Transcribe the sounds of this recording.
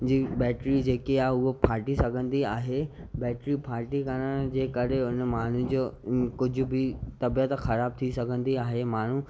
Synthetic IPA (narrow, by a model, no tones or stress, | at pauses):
d͡ʑiːbɛːʈɾid͡ʑeːkeaːʊɦopʰaːɾʈisɐɡʱə̃nd̪iaːɦebɛːʈɾipʰaːɾʈikɐɽ̃əɽ̃d͡ʑeːkɐɾeʊnmaːn̤ud͡ʑoːkʊd͡ʑʱʊ̆bɪt̪ɐbijət̪xɐɾaːb̚t̪ʰisɐɡʱə̃nd̪iaːɦemaːɳ̤u